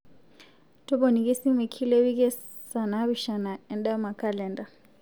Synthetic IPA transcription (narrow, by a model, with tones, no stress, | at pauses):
tɔ˦bɔ˨ni˨kɛ˦si˦mɛ˨kʰi˦lɛ˦wi˦kɛ˦ | sa˨na˨˦βi˨ʃa˨na˨ɛ˨nɗa˦ma˨ka˦lɛ˨nda˨